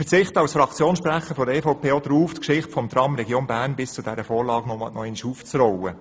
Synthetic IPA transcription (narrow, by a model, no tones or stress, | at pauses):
ət͡sɪχt̪əɑwsfɾɑkʰt͡sjoːnsʃpɾæχːəɾfɔd̪əɛːfɔʊpʰeːɔd̪əɾuːft̪kʃɪχtfɔmt̪ɾɑmɾɛɡjoːnbæːɾnbɪst͡sud̥̪ɛɾəfɔːɾlɑːɡnɔmɑ̰nɔɛniʃuːft͡srɔwə